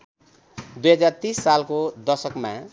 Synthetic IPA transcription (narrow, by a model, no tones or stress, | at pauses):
d̪ujɦʌd͡zart̪isːalkod̪ʌrsʌkma̰